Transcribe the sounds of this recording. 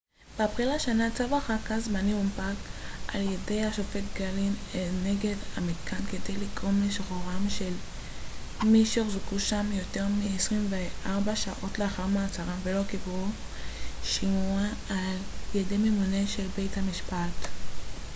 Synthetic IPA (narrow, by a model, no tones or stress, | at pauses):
b̥apχilaʃanat͡savaχakazmanimumpakalje̞dejaʃo̞fetɡalimene̞ɡe̞damit̪kʰankede̞jliɡʁo̞mleʃχoʁamʃel | miʃeoχzukuʃamjo̞te̞ʁmiesʁimveʔaʁbaʃaʔo̞tleaχaʁmaat͡saʁamvelo̞kibʁu | ʃimuaː | ljede̞memune̞ʃe̞lbe̞jthamiʃpat